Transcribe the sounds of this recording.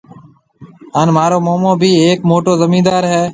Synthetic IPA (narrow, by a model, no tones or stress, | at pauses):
aːnmaːɾoːmoːmõːbʱiːeːkmoːʈoːzəmĩːd̪aːɾɦɛː